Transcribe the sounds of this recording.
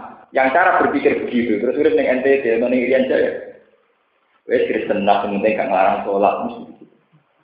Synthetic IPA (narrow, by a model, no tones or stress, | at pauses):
jaŋt͡ʃaɾab̥ərpikɪrb̥əɡit̪ut̪əɾʊsuɾɪp̪nɪŋɛnt̪ed̪̥elmanɪŋiɾiand͡ʒaja | weskɾɪsənnahsəmənt̪ɪŋɡa̰ʔŋəlaɾaŋsola̰ʔmust̪iiu